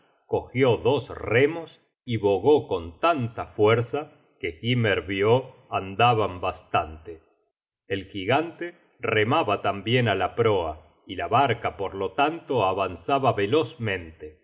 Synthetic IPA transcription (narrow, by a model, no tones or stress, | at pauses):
ko̞xjoðo̞sremos | iβoɣo̞ko̞nt̪ant̪afweɾsa | keɣimeɾβjo | and̪aβambast̪ant̪e | elxiɣant̪e | remaβat̪ambjenalapɾoa | ilaβaɾkapoɾlot̪ant̪oaβansaβaβe̞lo̞zmẽ̞nt̪e